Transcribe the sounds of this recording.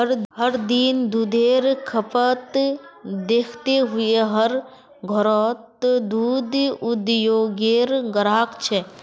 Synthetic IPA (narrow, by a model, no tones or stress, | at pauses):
əɾɦəɾd̪ind̪uːd̪eːɾkʰəpət̪ | d̪eːkʰt̪eɦʊeɦəɾ | ɡʱɔɾɔːt̪d̪uːd̪ʊd̪joːɡeɾɡəɾaːkt͡ʃʰɛː